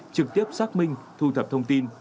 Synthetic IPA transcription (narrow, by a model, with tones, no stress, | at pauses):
t͡ɕɨ˨˩k̚t̪i˦˥əp̚saː˦˥k̚mï˧ŋ̟t̪ʰu˧t̪ʰə˨˩p̚t̪ʰə˧wŋ͡mt̪i˧n